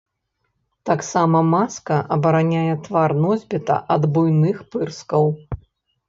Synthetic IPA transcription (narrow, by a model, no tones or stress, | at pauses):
t̪aksamɐmaskɐʔɐbɐɾanʲajɛt̪varnɔzʲbʲɛt̪ɐ̰ʔɐd̪bujnɨxpɨrskɐw